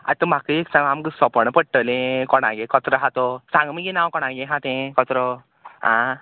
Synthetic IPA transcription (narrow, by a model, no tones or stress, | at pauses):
a̰t̪ːəm̤akəeksãŋɡamkəsɔpəɽ̃əpəɽʈəlẽkɔɽã̰ɡekɔt̪ɾɔɦat̪ɔsãŋɡəmiɡenãwkɔɽ̃ãɡẽɦãt̪ẽkɔt̪ɾɔ | ɦã